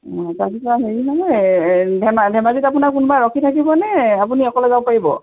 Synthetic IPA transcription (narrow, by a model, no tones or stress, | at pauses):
takitaɦeɹinaɦɔjdʱɛmadʱɛmaɡitapunaɹkunubaɹɔkʰitʰak̬ibɔnɛapuniɔkɔlɛzawpaɹibɔ̰